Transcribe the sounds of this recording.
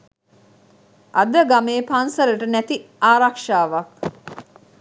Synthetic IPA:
ʔad̪əɡameːpansələʈənæt̪iaːɾakʂaːʋak̚

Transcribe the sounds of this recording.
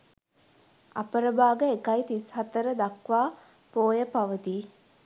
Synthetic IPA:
ɐ̰pəɾəbaːɡəekɐit̪ishɐt̪əɾəd̪ɐkʋaː | poːjəpaʋəd̪iː

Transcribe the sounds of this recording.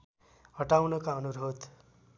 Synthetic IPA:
ɦʌʈawnʌkaʌnuɾʱod̪

